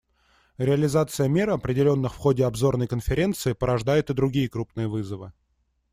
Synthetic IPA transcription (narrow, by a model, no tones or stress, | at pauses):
ɾʲɪɐlʲɪzat̪sɨjəmʲe̞ɾəɐpɾʲɪdʲɪlʲo̞nːɨxfxo̞dʲɪɐbzo̞rnəjkənfʲɪɾʲe̞nt̪sɨɪpəɾɐʐd̪ajɪt̪ɨd̪ɾʊɡʲijəkɾupnɨjəvɨzəvɨ̰